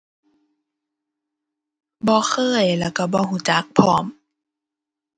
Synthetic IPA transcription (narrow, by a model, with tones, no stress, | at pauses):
bɔː˧˦xʰɤː˧˥˩jlɛː˧˩ka˧˩bɔː˧˦huː˧˩˦t͡ɕa˧˦k̚pʰɔː˧˦m